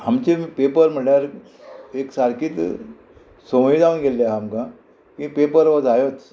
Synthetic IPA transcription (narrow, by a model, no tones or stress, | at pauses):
ɦamt͡ɕepepəɾm̤əʈjaɾ | eksaɾkiːt̪ | sowiːd̪aʋunɡelːjaɦamkã | kĩpepəɾʋəd͡zajot͡s